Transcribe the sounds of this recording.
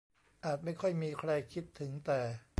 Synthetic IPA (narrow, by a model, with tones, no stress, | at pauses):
ʔaː˨˩t̪̚ma˥˩jkʰɔ˥˩jmiː˧kʰɾa˧jkʰi˦˥t̪ʰːɯ˩˦ŋt̪ɛː˨˩